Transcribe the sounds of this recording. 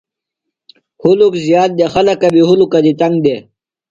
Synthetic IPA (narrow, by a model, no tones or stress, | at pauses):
hulukzijaːt̪̚d̪exɐlɐkɐbiɦulukad̪it̪ɐŋɡd̪e